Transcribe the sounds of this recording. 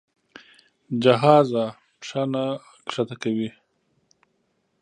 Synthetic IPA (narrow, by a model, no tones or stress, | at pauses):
d͡ʒaɦɑːza | ʂana | kʂat̪akawi